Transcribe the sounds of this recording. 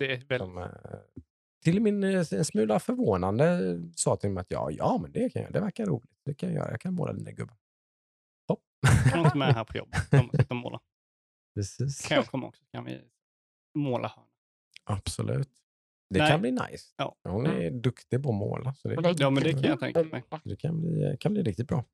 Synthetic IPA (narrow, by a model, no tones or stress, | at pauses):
d̪̥ɛɔm | t̪ʰɪlmɪnɛnsmʉ̟ːlafœɾvoːnand̪əsɑːt̪ʰɪlmɔmat̪jɑ̰ːjɑːmɛnd̪ɛkʰanjːd̪ɛvæɾkaɾuːlɪt̪d̪ɛkʰanjajœ̰ːɾajɑ̰ːkʰanmo̰ːlad̪iːnaɡɵbːən | hɔp̚ː | nɔt̪ɪmɛɦæːɾpʰɔjɔ̰bmt̪ːmːoːla̰ | pʰɾɛsiːsʰakʰɔmːaɔ̰ksɔkʰanvɪ̰ | moːlʔahœːɳa | ʔab̥sɔlʔʉ̟̰ːt̪ | d̪ɛkʰanbliːna̰jsjɑːhʊnɛɾd̪ɵkt̪ɪpɔɔmo̰ːlʔasɔd̪ɛjɑːmɛnd̪ɛkʰanjat̪ʰɛ̰ŋkaɛ̰jsɔd̪ɛkʰanj̪bliːkʰanbliːɾɪk̚t̪ɪt̪̚bɾɑː